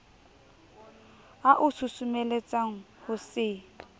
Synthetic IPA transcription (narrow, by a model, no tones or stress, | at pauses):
aʔʊsusʊmelet͡sʼaŋ̩ | hʊsɪ